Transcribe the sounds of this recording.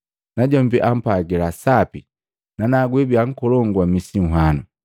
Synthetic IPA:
naɟɔmbiʔam̩paɡɛlasapi | nanaɡwɛbiaŋ̩kɔlɔŋɡwamisiŋ̩ɦanu

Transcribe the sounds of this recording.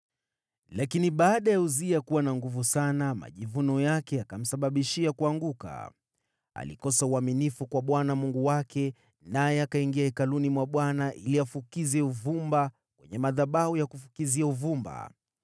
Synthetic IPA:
lakiniɓaːɗajauziakuwanaŋɡuvusanama̰ʄivunɔjakɛakam̩saɓaɓiʃiakuaŋɡuka̰ | a̰lḭkɔsauaminifukwaɓwanamuŋɡuwakɛ | najɛakaiŋɡiaɛkalunimwaɓwanaʔiliafukizɛuvumba | kwɛɲɛmaðaɓahujakufukiziauvumba̰

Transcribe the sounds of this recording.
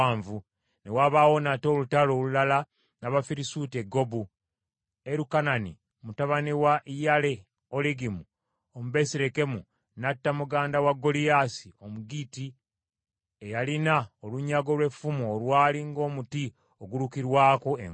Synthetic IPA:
ɱvu | ne̞waːβaːwo̞nato̞ːlutalo̞ːlulala | naβafiɾisuːte̞ɡo̞bu | eɾukanani | mutaβaniwaʔijale̞ | oleɡimu | omuβe̞siɾe̞ke̞mu | natːamuɡaːndawaɡːo̞lijasiomuɡiti | ejalinaoluɲːaɡo̞lwe̞fumuːlwaːliŋɡo̞ːmuti | oɡuɾukiɾwaːkoḛ

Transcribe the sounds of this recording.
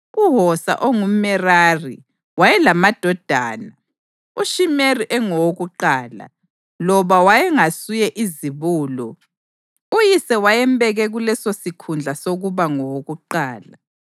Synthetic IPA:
uɦɔsa̰ʔoŋumɛrarḭ | wajɛlamad̥ʱɔd̥ʱa̰ːna | uʃimeriʔɛŋɔwoɣuǃaːla̰ | lɔβawajɛŋasujɛʔiziβuːlɔ | ujisɛwajɛmbɛɣɛɣulɛsosikʰund͡ɮʱasoɣuβaŋɔwoɣuǃaːla

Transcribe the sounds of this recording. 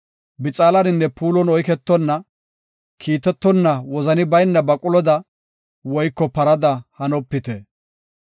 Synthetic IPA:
bɪt͡sʼaːlɐnɪnːɛpuːlɔnɔjkɛt̪ːɔnːɐ | kʰiːt̪ːɛt̪ːɔnːɐwɔzɐnɪbɐjnːɐbɐkʼʊlɔd̪ɐ | wɔjkːɔpɐɾɐd̪ɐhɐnɔpːɪt̪ɛ

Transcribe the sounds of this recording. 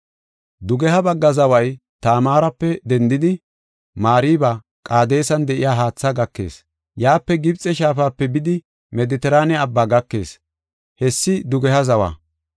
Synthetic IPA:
d̪ʊɡɛhɐbɐɡːɐzɐwɐj | t̪aːmaːɾɐpːɛd̪ɛnd̪ɪd̪ɪ | maːɾiːba | kʼaːd̪e̞ːsɐnd̪ɛʔɪjaːɦaːt͡sːɐɡɐkːe̞̰ːs | jaːpːɛɡɪbt͡sʼɛʃaːfaːpːɛbɪd̪ɪ | mɛd̪ɪt̪ɛɾaːnɛɐbːaːɡɐkːe̞̰ːs | hɛsːɪd̪ʊɡɛhɐzɐwa̰ː

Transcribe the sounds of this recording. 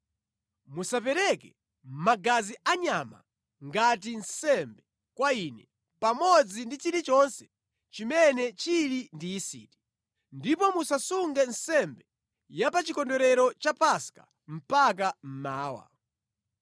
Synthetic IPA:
musapɛɾɛkɛ | m̩maɡaziʔaɲama̰ | ŋɡat̬insɛmbɛ | kwainɛ | pamɔd͡zindit͡ʃiɾit͡ʃɔnsɛ | t͡ʃimɛnɛt͡ʃilindiːsḭːti̥ | ndipɔmusasuŋɡɛnsɛmbɛ | japat͡ʃikɔndɔɾɛɾɔt͡ʃapaska̰ | m̩pak̬am̩maːwa̰

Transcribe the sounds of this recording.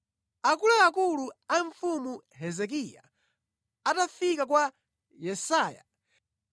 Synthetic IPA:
akulaːkuluaɱfumu | ɦɛzɛk̬ija̰ | atafikakwa | jɛsaːja̰

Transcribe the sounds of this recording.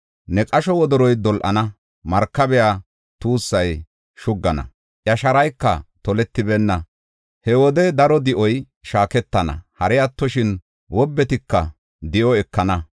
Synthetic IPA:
nɛkʼɐʃɔwɔd̪ɔɾɔjd̪ɔlʔɐ̰nɐ | mɐɾkːɐbɛjaː | t̪uːsːɐj | ʃʊɡːɐnɐ̰ | ʔjɐʃɐɾɐjkːɐt̪ɔlɛt̪ːɪbɛnːɐ | hɛwɔd̪ɛd̪ɐɾɔd̪ɪʔɔj | ʃaːkɛt̪ːɐnɐ̰hɐɾɛjɐt̪ːɔʃɪn | wɔbːɛt̪ɪkːɐ̰ | d̪ɪʔɔɛkːɐnɐ

